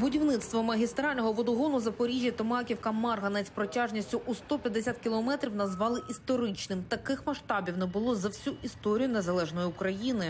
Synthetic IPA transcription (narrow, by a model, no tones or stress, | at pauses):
bʊdʲiwnɪt̪st̪ʋɔmɐɦʲist̪ɾɑlʲnɔɦɔʋɔd̪ɔɦɔnʊzɐpɔɾʲiʒʲjɐt̪ɪmɑkʲiwkɐmɑrɦɐnɛsʲpɾɔtʲaʒnʲisʲtʲʊʔust̪ɔpʲjɐd̪ːesʲat̪kʲilˠɔmɛt̪ɾʲiwnɐzʋɑlˠɪʔist̪ɔɾɪt͡ʃnɪmt̪ɐkɪxmɐʃt̪ɑbʲiwnɛbʊlˠɔzɐwsʲuʔist̪ɔɾʲijʊnɛzɐlˠɛʒnɔjiʊkɾɐjinɪ